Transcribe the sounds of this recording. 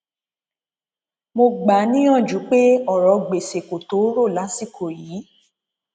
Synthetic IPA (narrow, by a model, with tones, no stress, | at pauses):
mo˧ɡ͡ba˨˦nĩ˦j̃ɔ̃˦˨d͡ʒu˨˦k͡pe˦ɔ˦˨ɾɔ˨ɡ͡be˨se˨ko˨to˨˦ɾo˦˨la˨˦si˦˨kʰo˨jiː˨˦